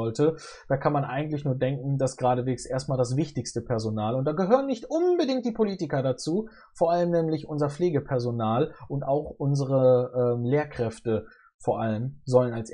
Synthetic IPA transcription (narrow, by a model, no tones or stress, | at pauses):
ɔltə | d̥aːkʰanmanʔa̰ɪɡŋ̩tlɪçnuːɐdɛŋkŋ̩dasɡ̥ʁaːɾəveːksʔeːɐst̚maːldas̬v̥ɪçtɪçstəpʰɛɐzonaːlʊnt̚d̥aːɡəɦøːʁənɪçtʔʊnbədɪŋkt̚d̥iːpʰoliːtɪkɐdat͡suː | foːɐʔaləmnɛːmlɪçʔʊnzɐfleːɡəpʰɛɐzonaːlʔʊntaʊxʔʊnzəʁəʔɛːmleːɐkʁ̥ɛftə | foːɐʔaləmzɔlənals